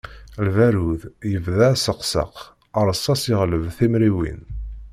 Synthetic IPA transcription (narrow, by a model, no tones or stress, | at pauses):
lvæɾuðjəvðæsəqsə̰q | əɾˤəsˤːɑsəʁləvθimɾiwḭn